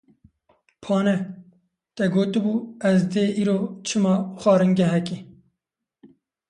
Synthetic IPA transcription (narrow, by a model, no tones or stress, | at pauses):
pʰɑːnɛ | t̪ɛɡoːt̪ɨbuːɛzd̪eːʔiːɾoːt͡ʃʰɨmɑːxʷɑːɾɨŋɡɛɦɛki